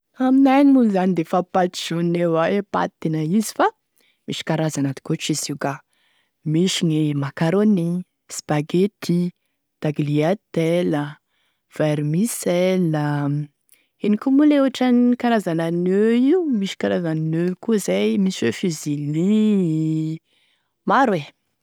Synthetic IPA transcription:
aminajnimuluzanid̪efapat̪i̥ʃunnewaepa̰t̪inəizi̥fa | miʃi̥kaɾazanad̪i̥koʈ͡ʂizika | miʃiɲimakaɾoni | spaɡet̪ʰi | d̪̥aɡliat̪elə | v̥eɾmiselə | enikumuleuaʈ͡ʂanikaɾazananøimiʃi̥kaɾazannøkuzajmisefizili | maɾwe

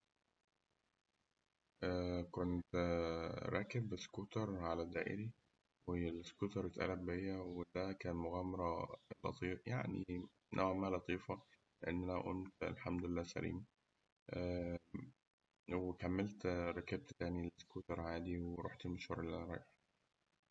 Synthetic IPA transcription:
ʔæːkont̪ | ɾˤɑːkebskuːt̪ɑɾˤʕalæd̪æːʔḛɾi | welskuːt̪ɑɾˤet̪ʔæ̰læbejːæwed̪ækæːnmoɣæːmɑɾˤɑlɑ̰t̪ˤiːja̰ʕnḭ | nʔæ̰wʕmæːhælɑt̪ˤiːfɑ | leʔenːʔænæʔomt̪æ̰lħamd̪olelːæːsæ̰ɾḭːm | ʔæ | wekæmːelt̪ɾˤɑkeb̚t̪t̪æːnilskuːt̪ɑɾˤʕaːd̪iweɾˤo̰ːħt̪elmoʃhuɾˤelʔænɾˤɑ̰ːʔ

